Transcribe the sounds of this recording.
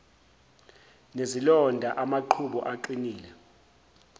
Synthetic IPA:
nezilɔndʱaʔamaǃʰuɓɔ̰ʔaǃiniːlɛ

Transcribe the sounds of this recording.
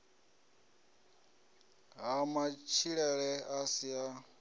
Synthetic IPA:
ɦamat͡ʃʰiɺɛɺɛasia

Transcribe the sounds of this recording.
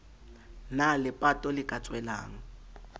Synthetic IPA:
nalɪpʼatʼɔlɪkʼat͡sʼwɛla̰ːŋ̩

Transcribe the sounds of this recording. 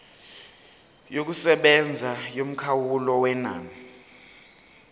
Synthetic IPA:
jok̬usɛɓɛnd͡zʱajom̩kʰawulɔwɛna̰ːni

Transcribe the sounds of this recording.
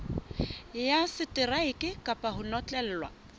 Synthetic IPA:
jasɪtʼɪraɪkʼɪkʼapʼahʊnɔt͡ɬʼɛl̩ːlwa̰

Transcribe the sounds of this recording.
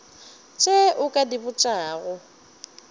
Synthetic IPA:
t͡ʃʼeʔʊkʼadibʊt͡ʃʼaːɣʊ

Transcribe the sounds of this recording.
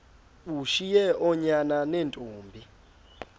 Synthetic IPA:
uʃijɛʔɔɲananentʼuːmbʱi

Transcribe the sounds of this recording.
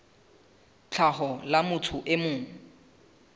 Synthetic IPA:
t͡ɬʰaɦɔlamʊtʰʊʔemʊːŋ̩

